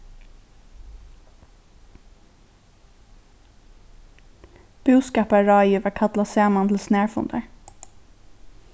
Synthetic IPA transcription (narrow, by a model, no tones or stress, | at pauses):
b̥ʉːskɑːpɑɹɑːɪøːʋəɹkʰɑt̪lɑsæːmɑnt̪ʰl̩snæːɹfʊ̰nd̪əɹ